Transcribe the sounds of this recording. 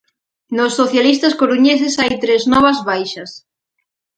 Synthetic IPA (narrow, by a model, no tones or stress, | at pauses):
nosːoθjalist̪askoɾuɲesesajt̪ɾeznɔβ̞ɐzβajʃɐs